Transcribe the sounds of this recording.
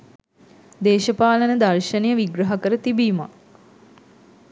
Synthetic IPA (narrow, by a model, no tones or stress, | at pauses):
d̪eːʃəpaːlənəd̪arʃənejəʋiɡɾɐɦakəɾət̪ibiːma̰